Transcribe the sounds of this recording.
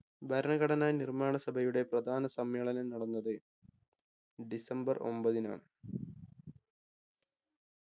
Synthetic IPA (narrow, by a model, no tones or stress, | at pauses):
bʱɐɾɐɳɐɣɐɽɐnaːjnirmaːɳɐsɐbʱɐjuɽe̞prɐd̪ʱaːnɐsɐmjeːɭɐnɐmnɐɽɐnːɐðɨ | ɖisɐmbɐro̞̰mbɐðina̰ːɳɨ